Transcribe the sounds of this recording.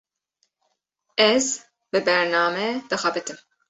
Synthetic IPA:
ɛz | bɨbɛɾnɑːmɛd̪̥ɨxɑbɨt̪ɨm

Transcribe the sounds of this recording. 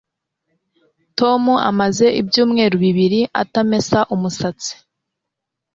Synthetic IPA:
to̞mua̰maze̞ʔibjuːmŋe̞ːɾuβiβiɾiʔa̰tame̞saʔumusat͡si̥

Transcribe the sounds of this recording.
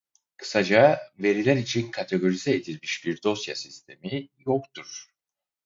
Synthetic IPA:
kʰɯ̥sad͡ʒave̞ɾilʲæɾit͡ʃʰinkʰat̪ʰe̞ɡo̞ɾizɛed̪ilʲmiʃb̥iɾd̪o̞sja̰sist̪ʰe̞mijokt̪ʰuɾ̥

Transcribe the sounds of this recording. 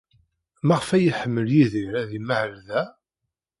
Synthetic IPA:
mæʁəfæjiħəmːəljiðiɾæðiməʕəlðæ

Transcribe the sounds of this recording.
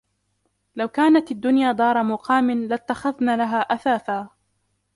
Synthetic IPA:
lawkaːnat̪ad̪ːʊnjaːd̪ˤɑːɾˤɑmʊqɑːmɪnlat̪ːaxaðnaːlaɦaːʔaθaːθaː

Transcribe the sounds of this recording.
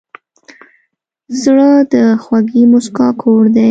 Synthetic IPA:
zɽəd̪əxwaɡimʊskɑkʰoɾd̪a

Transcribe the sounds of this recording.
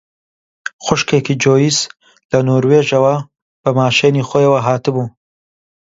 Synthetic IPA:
xʷʊʃkʰekiːd͡ʒoːjiːz | lɐnoːɾweːʒɐwɐ | b̥ɐmaːʃeːniːxoːjɐwɐɦaːt̪ɨbuː

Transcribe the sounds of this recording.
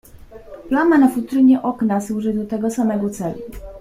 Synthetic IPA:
plamanafut̪ɾɘɲɛʔɔknaswuʐɘd̪ɔt̪ɛɡɔsamɛɡɔt̪sɛlṵ

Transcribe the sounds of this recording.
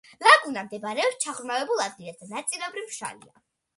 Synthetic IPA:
laɡunamd̪ɛbɾɛɔpst͡ʃʰaʁɾmavɛbulˠad̪̚ɡilˠɛsd̪anat̪sʼilɛbɾimʃa̰lḭa̰

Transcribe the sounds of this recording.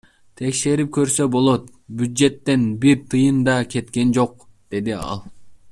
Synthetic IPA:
t̪ʰe̞kʃe̞ɾip̚kʰø̞ɾsø̞bo̞lˠo̞t̪ | bjyd̪d͡ʒe̞t̪ːe̞nbiɾt̪ʰɯjɯnd̪ɑkʲʰe̞t̪ke̞nd͡ʒo̞qd̪̥e̞d̪iɑ̰lˠ

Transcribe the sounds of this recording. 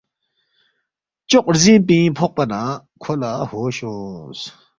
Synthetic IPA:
t͡ɕoʔ̚zip̬ĩpʰɔʔ̚pana | kʰolahoɕɔ̃s

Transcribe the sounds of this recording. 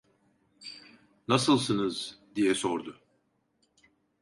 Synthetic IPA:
nasɯlˠs̬ɯnɯzd̪ijɛsoɾd̪ʊ

